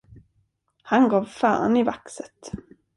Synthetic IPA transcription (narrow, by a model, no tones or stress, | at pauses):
hanɡɑːvfœ̰ːɾ̰nɪvaksət̪